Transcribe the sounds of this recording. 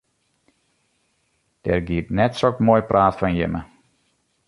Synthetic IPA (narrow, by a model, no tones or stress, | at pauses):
d̥ɛ̰rɡiətnɛtsokmoːjprʔaːtfɔnjɪ̰mə